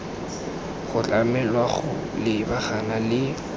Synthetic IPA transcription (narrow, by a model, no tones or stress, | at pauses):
χʊt͡ɬʼamɛlwaχʊ | lɪbaχanalɪ